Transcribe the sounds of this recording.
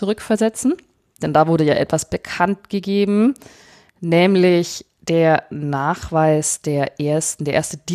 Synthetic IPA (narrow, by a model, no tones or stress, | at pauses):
uʁʏkfɛɐzɛt͡sn̩ | d̥ɛndaːvʊɐdəja̰ːʔɛtv̥asb̥əkʰantɡ̥əɡeːbm̩ | nɛːmlɪç | d̥eːɐnaːχv̥aɪsd̥eːɐʔeːɐstndeːɐʔeːɐstəd̥iː